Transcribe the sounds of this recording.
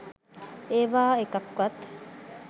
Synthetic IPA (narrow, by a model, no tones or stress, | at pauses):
eːʋaːekɐkːwɐt̪